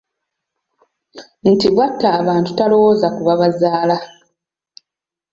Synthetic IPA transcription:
n̩tiβwatːaːβaːntu̥talo̞wozakuβaβazaːla

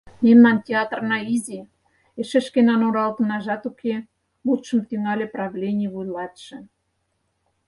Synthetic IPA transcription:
mʲemnɑntʲeɑt̪rnɑizʲi | eʃĕʃkenɑnoɾɑlt̪ənɑʒɑt̪ukʰe | lut̪ʃə̆mt̪yŋɑlʲĕprɑvlʲenʲijβujlɑt̪ʃĕ

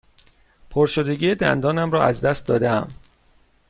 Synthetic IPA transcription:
pʰoɾʃod̪eɟiːed̪æ̰nd̪ɒːnæmrɒːæzd̪æst̪̚d̪ɒːd̪eæ̰m

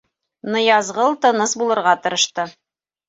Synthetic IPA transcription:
nɤ̆jɑzʁɤlˠt̪ɤ̆nɤsbulˠɤ̆ɾʁɑt̪ɤ̆ɾɤ̆ʃt̪ɤ

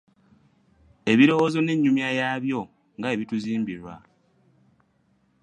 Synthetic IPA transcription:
e̞βiɾo̞wozo̞ne̞ɲːumjajaːβjo̞ | ŋɡae̞βituziːmbiɾwa

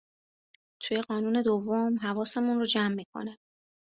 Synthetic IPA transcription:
t̪ʰuːje̞ɢɒːnuːne̞d̪ovːomɦævɒːse̞munrod͡ʒæmːiːkʰo̰ne

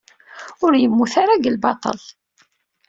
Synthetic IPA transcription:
ʊɾjəmːuθaɾaɡəlbɑt̪ˤə̰l

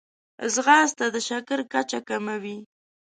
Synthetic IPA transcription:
zɣɑzt̪ad̪əʃakəɾkat͡ʃakamawi

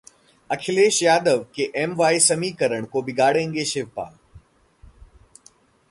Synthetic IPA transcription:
ɐkʰɪleːʃjaːd̪əʋkeʔeːmʋaːisɐmikɐɾəɽ̃koːbɪɡaːɽẽːŋɡeːʃeːʋpa̰ː

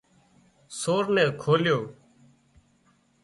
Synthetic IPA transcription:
soːɾnɛ̃ːkʰoːljoː

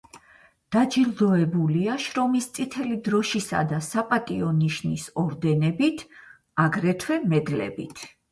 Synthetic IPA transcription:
d̪̥ad͡ʒilˠd̪ɔɛbuliaʃɾɔmist̪sʼit̪ʰɛlid̪ɾɔʃisa̰d̪asapʼat̪ʼiɔniʃnisɔɾd̪ɛnɛbit̪ʰ | aɡɾɛt̪ʰwɛmɛd̪lɛ̰bit̪ʰ

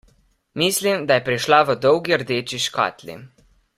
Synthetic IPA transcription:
miːslimd̪ajɛpɾiʃlaʋəd̪ɔwɡiəɾd̪eːt͡ʃiʃka̰ːt̪lḭ

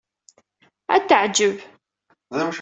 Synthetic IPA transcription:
æ̰t̪ːəʕd͡ʒəv | ðəmʃ

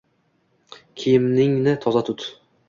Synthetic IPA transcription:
kʲʰejɪmnɪŋnɪt̪ʰɒzat̪ʰʊt̪

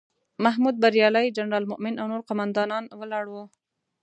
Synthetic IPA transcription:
maɦmud̪̚baɾjɑlajd͡ʒanɾɑlmʊʔmɪnawnoɾqʊmand̪ɑnɑnwəlɑɽwo

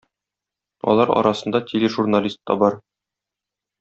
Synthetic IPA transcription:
ɒ̰lˠɑɾɒ̰ɾɑsɤ̆nd̪ɑtʲelʲeʒurnalʲist̪ːɑ̰bɒɾ

